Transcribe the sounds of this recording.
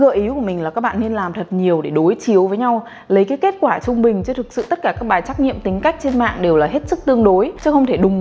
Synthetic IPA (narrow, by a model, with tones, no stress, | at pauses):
ɣə̰ː˧˨ʔi˨˦ku˧˩əmï˨˩ŋ̟laː˨˩kaː˦˥k̚ɓa̰ː˧˨ni˧nlaː˨˩mt̪ʰə˨˩t̚ɲi˨˩əwɗe˧˩ɗo˨˦jt͡ɕi˨˦əwvəː˨˦jɲa˧w | lə˨˦jkaː˨˦jke˦˥t̚kwaː˧˩t͡ɕʊ˧ŋ͡mɓï˨˩ŋ̟t͡ɕɨ˧t̪ʰɨ˨˩k̚sɨ̰˧˨t̪ə˦˥t̚kaː˧˩kaː˦˥k̚ɓaː˨˩jt͡ɕaː˦˥k̚ɲḭ˧˨əmt̪ï˨˦ŋ̟ka˦˥jk̟̚t͡ɕe˧nma̰ː˧˨ŋɗe˨˩wlaː˨˩ɦe˦˥t̚sɨ˦˥k̚t̪ɨ˧əŋɗo˨˦jt͡ɕɨ˦˥xə˧ŋ͡mt̪ʰe˧˩ɗʊ˨˩ŋ͡m